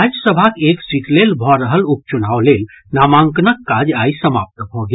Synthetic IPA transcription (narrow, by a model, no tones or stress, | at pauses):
ad͡ʒsəbʱakeːksiːʈlelbʱɔɾəɦəlup̚t͡ʃʊnaːoleːl | naːmãːŋknəkːaːd͡ʒaːisəma̰ːp̚t̪bʱɔɡ